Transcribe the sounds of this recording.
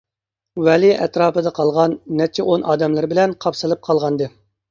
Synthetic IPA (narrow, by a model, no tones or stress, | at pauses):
wɛliɛ̰t̪ɾɑːpɨd̪ɑqʰɑlˠʁɑnːɛt͡ʃʰːɪʔonɑːd̪ɛmlˠɨɾbɪlɛnqʰɑpsɨlˠɨp̚qʰɑlˠʁɑnd̪ɨ